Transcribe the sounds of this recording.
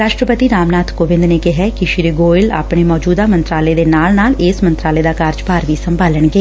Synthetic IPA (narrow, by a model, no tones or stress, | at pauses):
ɾaːʃʈɾəpət̪iːɾaːmnaːt̪ʰkoːʋɪ̃nd̪neːkɪɦɛkiʃɾiːɡoːɪla̰ːpɳeːmɔːd͡ʒuːd̪aːmə̃nt̪ɾaːleːd̪eːnaːlnaːlɪːsmə̃nt̪ɾaːleːd̪aːkaːɾd͡ʒpaːɾʋiːsəmbaːləɳɡeː